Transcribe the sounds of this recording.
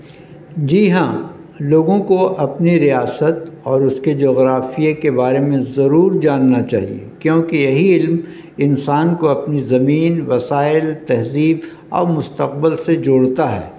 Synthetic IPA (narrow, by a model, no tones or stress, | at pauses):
d͡ʒiːɦã̰ː | loːɡõkoʔɐpniɾijaːsət̪ɔːɾʊsked͡ʒoːɣɾaːfijekebaːɾemẽzɐɾuːɾd͡ʒaːnːat͡ʃa̰ːɦḭḛkjõːkejɐɦiɪlm | ɪnsaːnkoɐpnizɐmiːnʋɐsaːɪlt̪ɛɦziːb | ɔ̰ːɾmʊst̪əq̚bəlsed͡ʒʊːɽt̪aɦɛ̰ː